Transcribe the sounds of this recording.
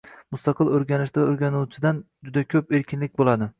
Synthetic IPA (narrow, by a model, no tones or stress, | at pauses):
mʊst̪ɑqʰɨlˠɵɾɡʲanɪʃd̪aɵɾɡʲanuwt͡ʃʰɪd̪an | d͡ʒʊd̪akʲʰɵpe̞ɾkʲʰɪnlɪk̚ʲbolad̪ɪ